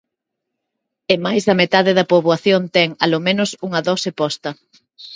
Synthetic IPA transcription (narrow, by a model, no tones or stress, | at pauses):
emajzðɐmet̪aðɪðɐpoβwaθjont̪ɛŋalomẽnʊsuŋɐðɔsepɔst̪ɐ